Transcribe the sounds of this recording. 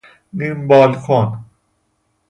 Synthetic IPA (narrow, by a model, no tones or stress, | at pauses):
nimbɔːlkʰon